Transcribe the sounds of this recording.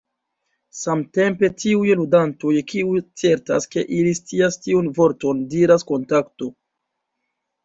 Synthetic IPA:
samte̞mpe̞tiujludantojkʰiujt͡se̞ɾta̰ske̞̰ʔilist͡siastiunvo̞ɾto̞ndiɾasko̞ntakto̞

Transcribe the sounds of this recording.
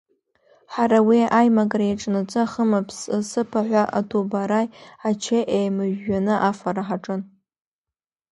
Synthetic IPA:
ħaɾawiajmakʼrajaʈ͡ʂʼnat͡sʼɨaχəmapʰssɨpʰaħʷaʔa̰tʰobaɾajat͡ʃʰeʔejmɨʒːanɨʔafaɾaħaʈ͡ʂʼɨn

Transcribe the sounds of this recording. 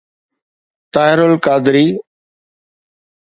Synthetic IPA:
t̪aːɪɾʊlkaːd̪ɪɾiː

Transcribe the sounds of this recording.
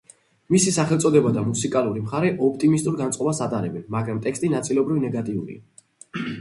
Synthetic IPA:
misisaχɛlˠt̪sʼɔd̪ɛbad̪amusikʼaluɾimχaɾɛʔɔp̚ʰt̪ʼimist̪ʼuɾɡant̪sʼɔbasat̪ʼaɾɛbɛnmaɡɾamt̪ʼɛkst̪ʼinat̪sʼilɔbɾivnɛɡat̪ʼiṵɾḭa

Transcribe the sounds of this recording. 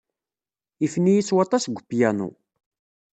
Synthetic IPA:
ifnijiswɑt̪ˤɑsɡʷːəpːjænṵ

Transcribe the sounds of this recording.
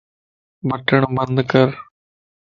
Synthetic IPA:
bəʈəɳbɐnd̪kɐɾ

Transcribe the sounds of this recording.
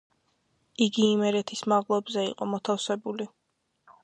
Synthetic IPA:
iɡiːmɛɾɛt̪ʰismaʁlˠɔbzɛḭqʼɔmɔt̪ʰafsɛbuli

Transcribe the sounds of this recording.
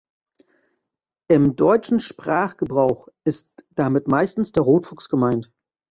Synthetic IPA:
ʔɪmdɔʏt͡ʃn̩ʃpʁ̥aːχɡ̥əbʁaʊxʔɪstd̥amɪtmaɪstn̩sd̥eːɐʁoːtv̥ʊksɡ̥əmaɪnt

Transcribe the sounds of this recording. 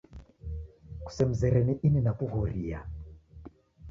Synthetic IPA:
ku̥sɛm̩zɛɾɛniʔininakuɣɔɾia̰

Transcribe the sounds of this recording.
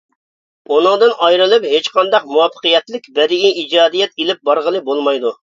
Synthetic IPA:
unɨŋd̪ɨnɑjɾɨlˠɨpɦet͡ʃqɑnd̪ɑqmuwɑfʰːə̥qɨjɛt̪lɪkʲbɛɾɪɡʲiid͡ʒɑːd̪ijɛt̪ilɪp̚bɑɾʁəlˠɨbolˠmɑjd̪u

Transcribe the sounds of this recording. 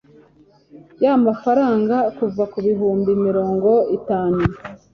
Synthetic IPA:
jamafaɾaːŋɡakuvakuβiɦuːmbimiɾo̞ːŋɡo̞itaːnu

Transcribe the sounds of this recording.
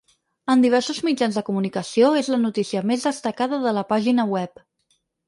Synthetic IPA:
ənd̪iβ̞ɛɾsuzmid͡ʒanzðəkumunikəsioezlənut̪isiəmezðəst̪əkað̞əðələpaʒinəwɛp

